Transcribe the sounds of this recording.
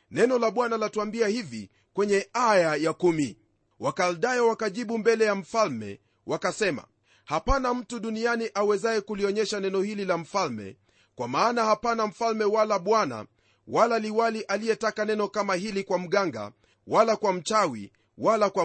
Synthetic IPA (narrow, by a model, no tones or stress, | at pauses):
nɛnɔlaɓwanalatuambiahivi | kwɛɲɛajajakumi | wakalɗajɛwakaʄiɓumbɛlɛjam̩falmɛ̰ | wakasɛma̰ | hapanam̩tuɗunianiʔawɛzajɛkuliɔɲɛʃanɛnɔhililam̩falmɛ̰ | kwamaːnahapanaɱ̩falmɛwalaɓwana̰ | walaliwaliʔalijɛtakanɛnɔkamaɦilikwam̩ɠaŋɡa̰ | walakwam̩t͡ʃawḭ | walakwa